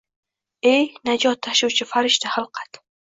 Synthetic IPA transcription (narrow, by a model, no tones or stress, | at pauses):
ejnad͡ʒɒt̪ʰːaʃʊwt͡ʃʰɪfaɾɪʃt̪ʰahalˠqʰat̪